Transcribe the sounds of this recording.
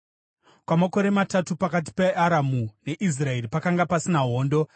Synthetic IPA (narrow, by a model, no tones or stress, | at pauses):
kwamako̞ɾe̞matatupakat̬i̥peaɾamune̞ʔis̬rae̞ripakaŋɡapasinaɦo̞ːndo̞